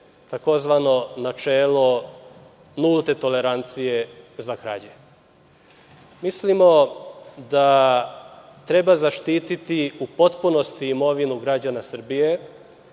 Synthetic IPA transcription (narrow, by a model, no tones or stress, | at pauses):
t̪ako̞zʋano̞nat͡ʃeːlo̞ | nulˠt̪e̞t̪o̞le̞ɾant̪sije̞zakɾa̰d͡ʑe | mislimo̞d̪a | t̪ɾe̞bazaʃt̪iːt̪it̪iupo̞t̪puno̞st̪iːmo̞ʋinuɡɾad͡ʑanasr̩bije̞